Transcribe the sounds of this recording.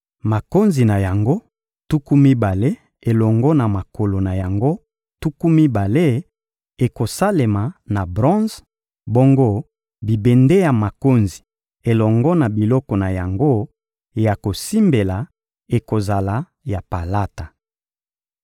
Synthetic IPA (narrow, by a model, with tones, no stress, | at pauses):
ma˨ko˦nzi˨na˨ja˨ŋɡo˦ | tu˦ku˦mi˦ba˨le˦ | e˨lɔ˨ŋɡɔ˦na˨ma˨ko˨lo˨na˨ja˨ŋɡo˦ | tu˦ku˦mi˦ba˨le˦ | e˨ko˨sa˦le˨ma˨na˨bʁɔ̃˦z | bo˦ŋɡo˦ | bi˨be˨nde˦ja˨ma˨ko˦nzi˨ | e˨lɔ˨ŋɡɔ˦na˨bi˨lɔ˦kɔ˨na˨ja˨ŋɡo˦˨ | ja˨ko˨si˦mbe˨la˨ | e˨ko˨za˨la˨ | ja˨pa˨la˦ta˨